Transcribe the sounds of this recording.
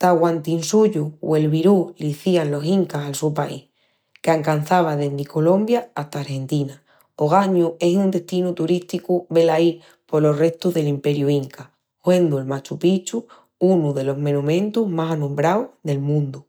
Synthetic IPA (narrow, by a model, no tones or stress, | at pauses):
t̪aɣwant̪insuʎṵːe̞lβiɾuliθianlo̞siŋkasalsupaḭh | keaŋkan̟θaβ̞aðeniko̞lõ̞mbjaaht̪aːɾhe̞nt̪ina | oɣ̞aɲue̞sund̪e̞ht̪inut̪uɾiht̪ikuβe̞lai | po̞lo̞re̞ht̪uðe̞limpe̞ɾjuiŋka | hwe̞nd̪uelmat͡ʃupit͡ʃu | unuðe̞lo̞ɦmẽnũmẽ̞nt̪uɦmasanũmbɾawðe̞lmũnd̪u